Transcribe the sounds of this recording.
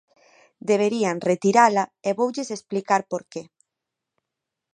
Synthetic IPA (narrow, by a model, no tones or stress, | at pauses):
d̪eβ̞eɾianret̪iɾalaeβowʎesesplikaɾpoɾke